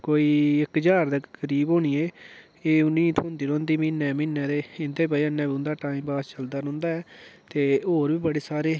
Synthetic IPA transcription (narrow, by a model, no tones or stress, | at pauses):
koːiːɪkd͡ʒaːɾd̪əkəɾiːbɦoːniːeː | eːʊnĩːt̪ʰoːnd̪iːɾõːnd̪iːmiːnːɛːmĩːnːɛːd̪eːɪnd̪eːbaːiənːɛ̃ːbiʊ̃ːnd̪aːʈaːĩːmbaːst͡ʃəld̪aːɾɔ̃ːnd̪aːɛːt̪eːoːɾʋiːbəɽeːsaːɾeː